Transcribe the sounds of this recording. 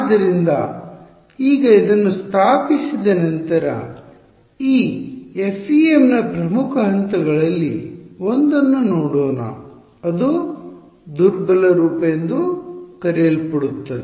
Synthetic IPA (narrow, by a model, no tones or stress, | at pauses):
aːd̪ːɐɾind̪ɐ | iːɡɐid̪ɐnːust̪ʰaːpisid̪ɐnɐnt̪ɐɾɐ̰ | iːepʰːiemnɐpɾɐmukʰɐɦɐnt̪ɐɡɐɭɐlːiond̪ɐnːunoːɽoːnɐ̰ | ɐd̪u | d̪uɾbɐlɐɾuːpɐjend̪ukɐɾelpɐɽut̪ːɐd̪e